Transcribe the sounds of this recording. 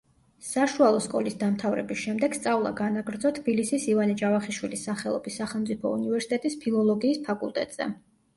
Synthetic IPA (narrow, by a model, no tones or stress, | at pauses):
saʃualˠɔskʼɔlisd̪amt̪ʰavɾɛ̰bisʃɛmd̪ɛɡ̥st̪sʼavlˠa̰ɡanaɡɾd̪zɔt̪ʰb̥ilisisivanid͡ʒavaχiʃwilisːaχɛlˠɔ̰bisːaχɛlˠmt̪sʼipʰɔ̰ṵnivɛɾsi̥t̪ʼɛt̪ʼispʰilˠɔlˠɔɡiːspʰakʼṵlˠt̪ʼɛ̰t̪ʼz̥ɛ̰